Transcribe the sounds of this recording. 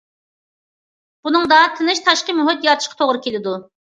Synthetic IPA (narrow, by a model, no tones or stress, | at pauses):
b̥unɨŋd̪ɑt̪ʰɨnɨʃt̪ʰɑʃqəmyɦɪt̪jɑt̪ʰɨ̥ʃqʰɑ̥t̪ʰoʁɾɨkʲʰelɪd̪u